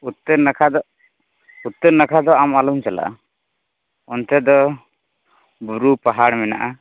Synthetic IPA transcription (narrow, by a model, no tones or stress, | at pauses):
ut̪ːəɾnakʰad̪ɔ | ut̪ːəɾnakʰad̪ɔamalumt͡ʃala̰ʔa̰ | ɔnt̪ɛd̪ɔ | buɾupaɦaɽmɛnaʔa